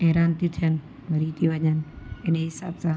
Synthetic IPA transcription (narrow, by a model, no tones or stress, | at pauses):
eɦɾaːnt̪it̪ʰijən | ʋɐɾit̪ʰiʋɐɲənɪnɦɪsa̰ːbsãː